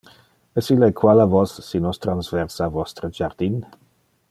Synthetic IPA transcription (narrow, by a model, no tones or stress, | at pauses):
əsilɛkʰwalavɔsːinɔstʰransvɛrsavɔstɾəd͡ʒard̥in